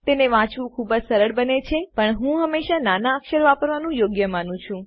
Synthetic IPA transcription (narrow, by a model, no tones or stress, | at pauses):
t̪eneʋãt͡ʃʋũkʰubəd͡ʒsəɾəɽbənet͡ʃʰepəɳɦũɦəmːeʃananaːkʃəɾʋapəɾʋanũjoɡjəmanũt͡ʃʰũ